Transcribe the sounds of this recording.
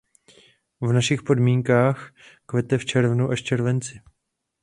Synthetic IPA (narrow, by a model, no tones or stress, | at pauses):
vnaʃɪxpo̞dmiːŋkaːxkvɛt̪ɛft͡ʃɛɾvnuʔaʃt͡ʃɛɾvɛnt͡sɪ